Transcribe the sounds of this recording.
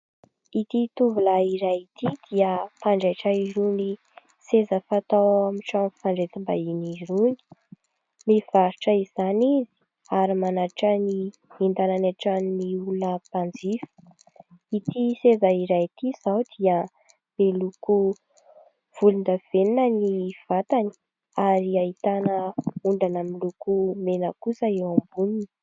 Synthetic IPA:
it̪it̪uvulaiɾajt̪id̪̥iəpaɳɖ͡ʐaʈ͡ʂaiɾuni | sezəfat̪awamiʈ͡ʂanfaɳɖ͡ʐet̪imba̰iniɾuni̥ | miv̥aɾiʈ͡ʂəiz̥anizi̥ | aɾimanaɾʈ͡ʂəni | ind̪ananeʈ͡ʂanniulunəpand͡zifə̥ | it̪isezaiɾajt̪iz̥awd̪iə | mb̥eluku | v̥ulund̪av̥eninəniv̥at̪ani̥ | aɾiait̪anəuɳɖ͡ʐanamilukumenəkusəewambunini̥

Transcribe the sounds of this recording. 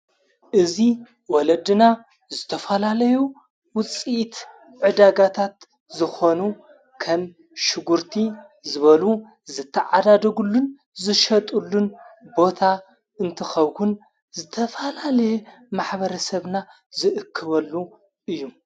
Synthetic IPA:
ʔɨzi | wɔlɐd̪ɨna | zɨt̪ʰɐfɐlalɐju | wʊt͡sʼit̪ | ʕɨd̪aɡat̪ʰat̪ | zɨxo̞nu | kʰɐm | ʃɨɡuɾt̪ʰi | zɨβɐlu | zɨt̪ʰːɐʕad̪ad̪ɐɡulːun | zɨʃɐt̪ʼulːunbo̞t̪ʰa | ɨnt̪ʰɐxɐβhun | zɨt̪ʰɐfɐlalɐjemaħβɐɾɐsɐβna | zɨʔɨkʰːɨβɐlːu | ʔɨjːu

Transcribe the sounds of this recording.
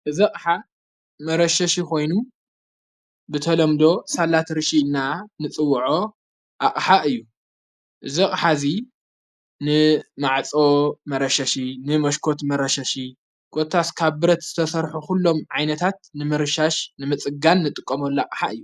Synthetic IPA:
ʔɨzikʼħa | mɐɾɐʃɐʃikʰo̞jnu | bɨt̪ʰɐlɐmd̪o̞salat̪ɾɨʃinːanɨt͡sʼɨwːʕo̞ | ʔakʼħaʔɨjːu | ʔɨzikʼħazi | nɨmaʕt͡sʼo̞mɐɾɐʃɐʃinɨmɐʃkʰo̞t̪mɐɾɐʃɐʃi | ɡ̥ʼot̪ʰːaskʰaβbɨɾɐt̪z̥ɨt̪ʰɐsɐɾħuxulːo̞mʕajnɐt̪ʰat̪nɨmɨɾɨʃaʃnɨmɨt͡sʼɨɡanːɨt̪ʼɨkʼːɐmolːakʼħaɨjːu

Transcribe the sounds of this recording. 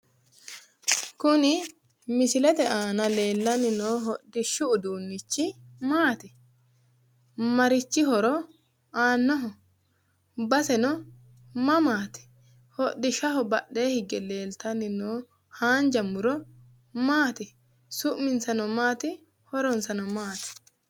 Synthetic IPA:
kʊnɪ | mɪsɪlɛt̪ɛʔaːnɐle̞ːlːɐnɪnoːɦɔdɪʃːʊʊd̪uːnːɪt͡ʃːɪmaːt̪ɪ | mɐɾɪt͡ʃːɪɦɔɾɔ | aːnːɔɦɔ | bɐsɛnɔ | mɐmaːt̪ɪ̥ | hɔɗɪʃɐɦɔbɐɗe̞ːhɪɡɛle̞ːlt̪ɐnɪnoː | haːnd͡ʒɐmːʊɾɔ | maːt̪ɪ | sʊʔmɪnsɐnɔmaːt̪ɪ | hɔɾɔnsɐnɔmaːt̪ɪ̥

